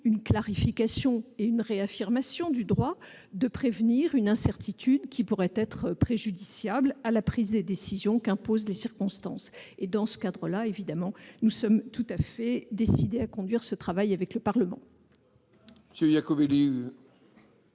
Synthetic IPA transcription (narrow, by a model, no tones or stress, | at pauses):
ynklaʁifikasjɔ̃eynʁeafiʁmasjɔ̃d̪yd̪ʁwa | d̪əpχevniʁynɛ̃sɛʁt̪ʰit̪ʰyd̪kʲipuʁɛt̪ɛt̪χəpχeʒyd̪isjablalapχizd̪ed̪esizjɔ̃kɛ̃pozlesiʁkɔ̃st̪ɑ̰̃sed̪ɑ̃sə̥kad̪ʁəlaevid̪amɑ̃nusɔmt̪ut̪afɛd̪esid̪eakɔ̃d̪ɥiʁsət̪χavajavɛkləpaʁləmɑ̰̃ | məsøjakoveli